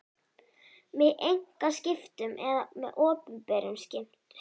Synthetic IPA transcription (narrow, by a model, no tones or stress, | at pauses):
mɪðejŋ̥kascɪft̪ʏmʔɛ̰ðamɛðʔɔːpʏmpɛːɾʏmscɪm̥t̪